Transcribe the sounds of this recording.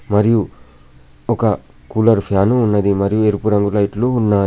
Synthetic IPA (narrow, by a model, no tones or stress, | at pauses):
mɐɾiju | ɔkɐ | kuːlɐɾpʰjaːnuːnːɐd̪imɐɾijueɾupuɾɐŋɡulɐjʈluːnːaː